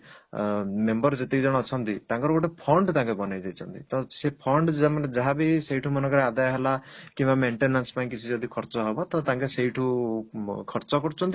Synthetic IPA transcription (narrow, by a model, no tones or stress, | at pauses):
membɔɾd͡ʒet̪ikd͡ʒɔɽ̃ɔːt͡ʃʰɔnt̪it̪ãŋkɔɾɔkoʈepʰɔɳɖt̪ãŋkɔbɔnajd͡ʒajt͡ʃʰɔnt̪it̪ɔsepʰɔɳɖd͡ʒamaned͡ʒaɦabiseiʈʰumɔnɔkɔɾead̪ajɦelakĩmbameɳʈenanspaĩkit͡ʃʰid͡ʒɔd̪ikʰɔɾt͡ʃɔɦebɔt̪ɔt̪aŋkeseiʈʰũ | kʰɔɾt͡ʃɔkɔɾut͡ʃʰɔnt̪i